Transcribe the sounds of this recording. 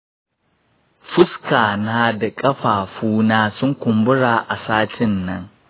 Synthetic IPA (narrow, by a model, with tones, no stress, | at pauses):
ɸʊ˦skaː˨naː˦da˨kʼɐ˦ɸaː˨ɸuː˦naː˦sʊ˦ŋkʷʊ˨mbʊ˦ɽaː˨ʔa˨saː˦tɪ˦nːɐ˦ŋ